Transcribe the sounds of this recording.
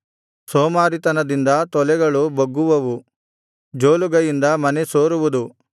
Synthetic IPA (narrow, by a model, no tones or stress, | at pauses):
soːmaːɾit̪ɐnɐd̪ind̪ɐt̪ɔlɛɡɐɭubɐɡːuʋɐʋu | d͡ʒoːluɡɐjind̪ɐmɐnesoːɾuʋud̪u